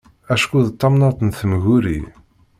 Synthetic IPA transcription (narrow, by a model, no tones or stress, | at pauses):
æʃkuðt̪ˤːɑmnɑt̪ˤənθəmɣuɾḭ